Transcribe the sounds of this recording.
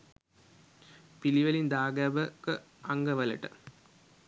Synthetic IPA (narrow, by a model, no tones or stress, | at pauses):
piliʋəlind̪aːɡæʋəkə | aŋɡəʋələ̰ʈə̰